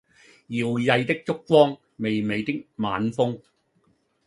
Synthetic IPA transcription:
jiː˨wjɐ˧jt̪ɪ˥k̚t͡sʊ˥k̚kːɔː˥ŋ | me˨jme˨˧jt̪ɪ˥k̚ma̰ː˨˧nfʊ˥ŋ

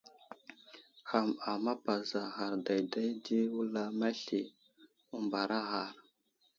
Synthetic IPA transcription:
xa˨ma˨ma˦pa˨za˨xa˨ɾda˨jda˦jdi˦wu˦la˦ma˦ɬi˨ | u˦mba˨ɾa˦xa˨ɾ

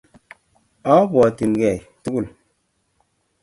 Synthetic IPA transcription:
ɔ˦bɔ˨ti˨nɡɛ˨tu˦ku˦˨l

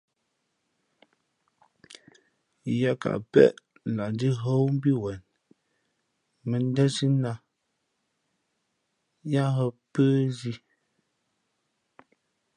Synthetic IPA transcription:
ja˦ka̰˨ʔpɛ̰˦˨ʔ | la˨n˦di˦ɦo˦wm˦bi˦wɛ˨n | mɛ˨n˦dɛ˦si˦na˦ | ja˦ɦɔ˦pəː˦zi˦

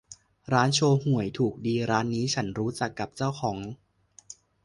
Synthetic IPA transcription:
ɾaː˦˥nt͡ɕʰoː˧hu˨˩˦əjt̪ʰuː˨˩k̚diː˧ɾaː˦˥nːiː˦˥t͡ɕʰa˦˥nɾuː˦˥t͡ɕa˨˩kːa˨˩p̚t͡ɕa˥˩wxʰɔː˩˦ŋ

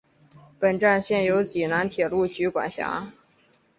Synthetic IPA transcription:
pə˨˩nʈ͡ʂa˥˧nɕjɛ˥˩njo˧˥ʊt͡ɕi˨˩na˧˥nt̪ʰjɛ˨˩lu˥˩t͡ɕy˧˥kwa̰˨˩nɕja̰˧˥

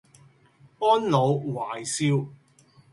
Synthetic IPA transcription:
ɔː˥nlo˨˧wwaː˨˩jsiː˥w

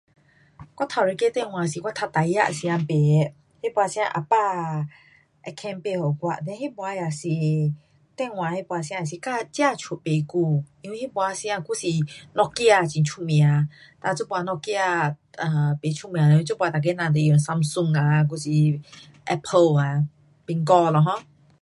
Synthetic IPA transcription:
kʷwa˦t̪ʰa˨ɾe˧ke˦t̪ɛ̃˦˧˨w̃ã˨si˨kwa˦t̪ʰa˧t̪a˨ja̰˦˧ʔsi˧ã˧mpe˨˦ | he˦˨bwa˧sĩ˧˦ã̰˧ʔa̰˨pa˦˧˨ | ʔɛ˧˨kʰɛ̃˧npe˧hɔ˨kwa˧ʔd̪ɛ˧˦he˦bwa˧ja˨si˨ | t̪ɛ˧˨w̃ã˨he˦bwa˧sĩ˧ã˧a˨s̬i˧˨ka˦˧˨t͡ɕja˧˨t͡ɕʰu˨pe˨ku˧ĩ˧wi˦he˦˥bwa˧si˧ã˧ku˧˦si˨nɔ˧kja˧˨t͡ɕĩ˨nt͡ʃʰu˧˨mĩ˧˨ã˨ | t̪a˧˨t͡so˦bwa˧nɔ˧kja˧a˨˧˨pe˨˦t͡ɕʰu˧˨mĩ˧˨ã˨˧i˦t͡so˦bwa˧t̪a˨˩k̬e˧˦nã˨t̪e˨jə˨ŋsa˧msu˧ŋa˨k̬u˧si˨ | ʔɛ˧pʰə˧la˨ | pi˧ŋkɔ˧lɔ˧˨ɦɔ̃˦

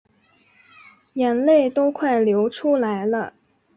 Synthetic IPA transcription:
jɛ˧˥nle˥˩ɪt̪o˥ʊkʰwa˥˩ɪljo˧˥ʊʈ͡ʂʰu˥la˧˥ɪlə̰˧

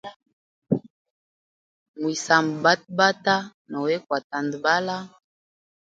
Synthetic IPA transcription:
mu˨i˨sa˨mbba˦t̚ba˦ta˦nɔ˨we˦kwa˨ta˨ndba˦la˦

